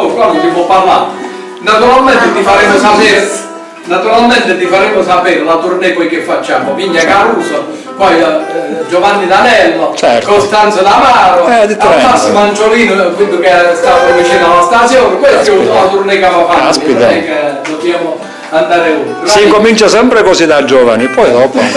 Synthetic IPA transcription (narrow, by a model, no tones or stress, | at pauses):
kamːok̪ipwɔpːarla | nat̪uɾalmɛnt̪et̪ːifaɾɛmːʊsapeɾ | nat̪uɾalmɛnt̪ɪt̪ːifaɾemːʊsapeːɾɪlat̪urnɛpɔjkefːat͡ʃːaːmoviɲːakaɾuːso | pɔjd͡ʒɔvanːid̪anɛlːot͡ʃɛ̰ɾkost̪ant̪sod̪amaːɾaɛd̪it̪ːɛasomant͡ʃoliːnʊkind̪ʊkest̪avovit͡ʃiːnalast̪asjɔːnepɔjt̪ɛulat̪urnekavafaasipit̪aekad̪od̪jamo | and̪aːɾeunt̪ɾesaeiŋkomint͡ʃasɛmpɾekosid̪ad͡ʒɔːva̰nipɔjd̪ɔpo